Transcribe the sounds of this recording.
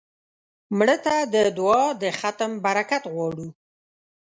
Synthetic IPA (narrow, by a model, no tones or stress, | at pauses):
mɽət̪ad̪əd̪uɑd̪əxat̪əmbaɾakat̪ɣwɑɽu